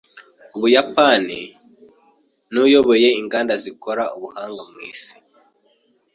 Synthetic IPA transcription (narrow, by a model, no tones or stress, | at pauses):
uβujapanḭ | nujo̞βo̞je̞iŋɡaːndazikʰo̞ɾauβuhaːŋɡamwḭːsi̥